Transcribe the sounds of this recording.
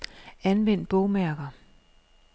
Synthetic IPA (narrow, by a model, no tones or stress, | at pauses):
ænʋen̰d̥̚b̥ɔʊmæɐɡ̥ɐ